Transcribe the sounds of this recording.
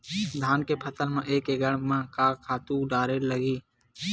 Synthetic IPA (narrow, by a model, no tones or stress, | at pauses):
d̪ʱaːnkepʰət̪əlmẽʔeːkeɡəɽmə̃kaːkʰaːt̪ũɖaːɾeləɡiː